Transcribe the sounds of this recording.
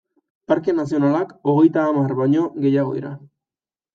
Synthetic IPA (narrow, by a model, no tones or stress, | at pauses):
paɾke̞nas̬io̞nalako̞ɣ̞e̞jt̪aːmarβaɲo̞ɣe̞jaɣ̞o̞̰ḭɾa